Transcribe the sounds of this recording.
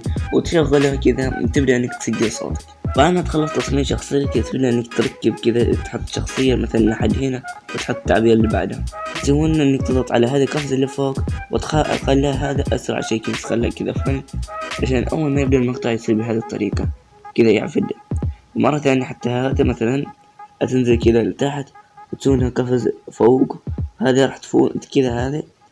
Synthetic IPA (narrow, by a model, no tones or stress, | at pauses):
wɪt̪ʃaɣːʊlhakɪðat̪ɪbd̪iʔɪnːakt̪saɡːɪsˤo̰ːt̪ | faʔanat̪xɑlːɑsˤt̪ːɑsˤmiːʕʃɑxsˤɨjːakɪd̪at̪ɪbd̪iʔɪnːakt̪ɾˤɑkːɪbkɪd̪at̪ħʊt̪ˤːʃɑ̰xsˤɨjːamaθalanʔaħad̪ːhiːnawɪt̪ħʊt̪ˤːt̪ːa̰ʕbiːɾlːiba̰ʕd̪hat̪sawuːnʔɪnːak̚t̪ɨðˤɑt̪ˤʕa̰laɦaːðikɑfzalːɪfoːkwɪ̰t̪xaʔa̰qɑlːaaɦaːðaʔa̰sɾˤɑ̰ʕa̰ʃaːnkɪnt̪xa̰lːa̰ʔkɪd̪afʕlʕaʃaːnʔa̰wːalmajɪb̚d̪ɑɾmɪqt̪ɑʕjɪsˤiːlbiɦaːd̪it̪ˤːɑ̰ɾiːqɑ | kɪðaja̰ʕ̰fɪd̪awɪmɑrˤːɑθaːnjaħat̪ːahaːd̪imaθalan | ʔat̪ɪnzɪlkɪd̪alt̪aħt̪wɪt̪suːnhakafazfoːɡhaːðiɾˤɑːħt̪fṵːd̪kɪðahaːði